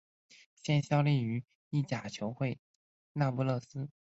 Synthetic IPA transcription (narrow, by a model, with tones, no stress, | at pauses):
ɕjɛ˥˩nɕjɑ˥˧ʊli˥˩y˧˥ | i˥˩t͡ɕja˨˩t͡ɕʰjo˧˥ʊxwe˥˩ɪ | na˥˧pu˥˧lɤ˥˩sɹ̩˥